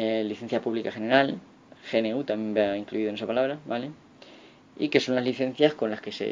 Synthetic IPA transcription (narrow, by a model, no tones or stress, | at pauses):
eliθẽ̞n̟θjapuβlikaene̞ɾal | xe̞neut̪amjẽ̞mbaiŋkluiðonesapalaβɾaβale | ḭke̞so̞nlazliθe̞n̟θjasko̞nlaske̞sḛ